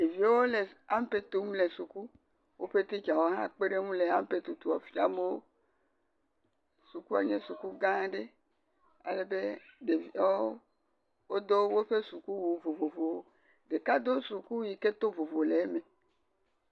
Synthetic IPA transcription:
e˨vi˨˦wo˦le˨a˦m˦pe˦t̪u˦m˦le˨su˨ku˦ | wʔo˦ɸe˦t̪e˦t͡ʃa˨wo˦ɦã̰˦k͡pe˦ɖe˦ŋũ˦le˨a˦m˦pe˦t̪u˨t̪u˨ɔ˨fi˦a˦me˦wo˦ | su˨ku˦a̰˨ɲe˦su˨ku˦ɡã˦˨˦ɖe˦ | a̰˨le˨be˦de˨vi˨a˦o˦ | wo˦d̪o˦wwo˦ɸe˦su˨ku˦wu˨vo˨vo˨vo˨wo˦ | ɖe˨ka˦d̪o˦su˨ku˦ji˨ke˦t̪o˦vo˨vo˨le˨˦me˨

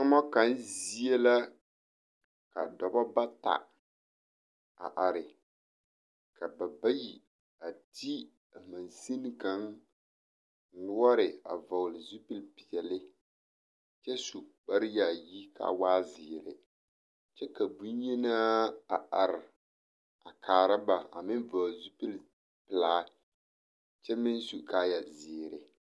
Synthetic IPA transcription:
a˦mɔ˦ka˨˦n˦zi˦e˦la˦ | ka̰˨dɔ˨bɔ˦ba˦ta̰˨ | a̰˨ʔa˨ɾɪ˨ | ka˨ba˨ba˦ji˨ | a˨tʰi˦ | a˨ma˨n˨si˦n˦ka˨ŋ˨ | lʊ˦ɔ˦ɾɪ˨a̰˨va˨wʊ˨lɪ˨zu˦pi˦lpi˨ɛ˨lɪ˦ | t͡ʃɛ˦su˨k͡pa˦ɾɪ˦ja˨ji˦kʰa̰˨waː˦zɪ˨ɾɪ̰˨ | t͡ʃɛ˦ka˨bu˦ɲi˦naː˦a˨ʔa˨ɾɪ˨ | a˨kʰaː˨ɾa˦ba˨a˨mɪ˦n˦va˨zu˦pi˦l | pɪ˨laː˦ | t͡ʃɛ˦mɪ˦n˦su˨kaː˦ja˨zɪ˨ɾɪ˨

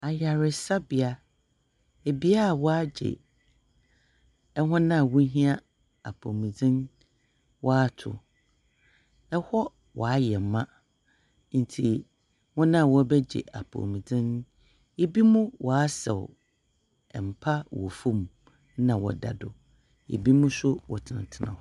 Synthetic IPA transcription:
a˨ja˨ɾɪ˨sa˦bi˨a˦ | e˨bi˦a˦˨wɔ˦a˦d͡ʑɪ̰˨ | ɛ˦ɦʊ̃˦nã˦˨wʊ̃˦ɦĩ˦a˦ | a̰˨pʰo˨mĩ˨d͡zɪ̃˦n | wʔɔ˦a˦tʰʊ̰˨ | ɛ˦hɔ˦ | wʔɔ˨a˦jɛ˨m˨˦mã˦ | n̩˨tʰi˨ | wʊ̃˦nã˦˨wɔ˦bɛ˦d͡ʑɪ̰˨ʔa˨pʰo̰˨mĩ˨d͡zɪ̃˦n˦ | e˦bi˦mũ˦wʔɔ˨a˦sɛ̰˨w | ɛ˨m̩˨pʰa˦wɔ̰˨fũ˦m˨ | nã˨wɔ̰˨da̰˨dʊ˨ | ḛ˨bi˦mũ˦sʊ˦wɔ̰˨tʰɪ˨n˨tʰɪ˦nã̰˨

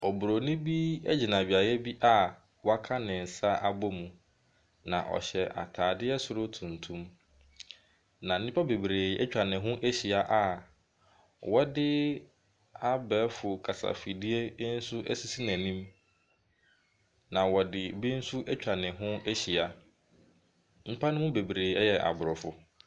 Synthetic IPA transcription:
ɔ˨bʊ˨ɾo˨nĩ˦bi˦ɛ̰˦d͡ʑi˨nã˨bi˨a˨jɛ˦bi˦ʔa˦˨ | wɔ˦a˦kʰa˦nɪ̃˨n̩˨sa˦ʔa˨bo˦mũ˨ | nã̰˨ʔɔ̰˨ɕɛ˨ʔa̰˨tʰaː˨dɪ˦ɛ˦sʊ˨ɾʊ˦tʰũ˨ntʰũ˦m | nã˨n̩˨˦nĩ˦pʰa˦be˨bɾeː˨˦ɛ̰˦t͡ɕᶣa˨nɪ̃˨ɦʊ̃˦ʔe˦ɕi˨a˨ʔa˦ | wɔ˦dɪ˦ | a˦bɛː˨˦fʊ˨kʰa˨sa̰˨fi˨di˦e˦n̩˦sʊ˦ʔɛ̰˦si˦si˦næ̃˨nĩ˦m | nã˨wɔ˨dɪ˨bi˦n̩˦sʊ˦ʔɛ˦t͡ɕᶣa˨nɪ̃˨ɦʊ̃˦e˦ɕi˨a˨˦ | m̩˦pʰa˦nʊ̃˦mʊ̃˦be˨bɾeː˨˦ɛ˦jɛ˨ʔa̰˨bʊ˨ɾɔ˨fʊ˦

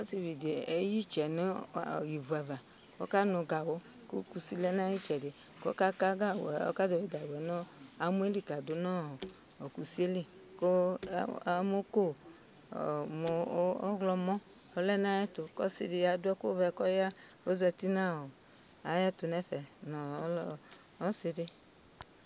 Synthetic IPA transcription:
o˦si˨vi˨di˨e˦ji˦t͡ʃɛ˨nu˦˨ji˨vu˨ɛ˨va˨ | kɔ̰˦ka˦nɔ˧ɡa˨wo˦ | ko̰˦ku˧si˦lɛ˦na˦ji˦t͡ʃɛ˨de˨ | kɔ̰˦ka˦ka˦ɡa˦˨ɔ̰˦ka˦zɛ˨i˨ɡa˨wɛ˨nɔ˦a˨mu˦e˦li˦ka˨do˨na˦ɔ˨ | ɔ˨ku˨si˦e˦li˦ko˦˨˦ | mo˦ko̰˦˨ | mo˨˦ɔ˦ɣlɔ˧mɔ̃˦ | ɔ˨lɛ˦na˦jɛ˦to˨kɔ̰˦sḭ˧di˧ja˨dʊ˦ɛ˦ko˦vɛ˧kɔ˦ja˦ | o˦zɛ˧ti˦nã˦ɔ˨ | a˨ja˦to˨nɛ˦ɸɛ˨nɔ˨˦ɔ˦ | ɔ˦sɪ˧dɪ˦

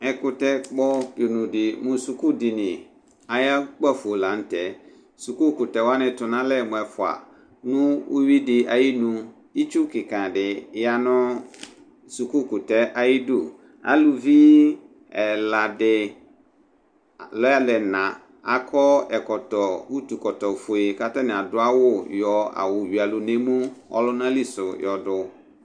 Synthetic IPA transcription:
ɛ˨kʊ˨tɛ˦k͡pɔ˦do˨nũ˨dɪ˨mʊ̃˨su˨ku˦dɪ˨nɪ̃˨ | a˨ja˦k͡pa˦˨fo˨la˨n̩˦tɛ˨ | su˨ku˦kʊ˨tɛ˨wa˦nɪ̃˨tʊ˨nã˦lɛ˦˨mʊ̃˨ɛ˨fʊ˨a̰˨ | nʊ̃˦u˦wi˦dɪ˨a˨ji˦nũ˦ | i˦t͡ʃu˦kɪ˨kã˨dɪ˨˦ja˦nʊ̃˦ | su˨ku˦kʊ˨tɛ˦ʔa˦jɪ˦du˨ | a̰˦lu˨vi˦ | ɛ˨la˨dɪ˨ | lɔ˦a˦lɛ˨nã˨ | a̰˨kʰɔ˦ɛ˨kɔ˨tɔ˨wu˦tu˨kɔ˨tɔ˨fʊ˨e˨ka˦tɛ˦nɪ̃˨a˨dʊ˦a˦wʊ˦jɔ˨a̰˨wʊ˨ɥi˨a˨lʊ˨nẽ˦mũ˦ɔ̰˦lʊ˦n˦ã˦li˦sʊ˨jɔ˨dʊ˨

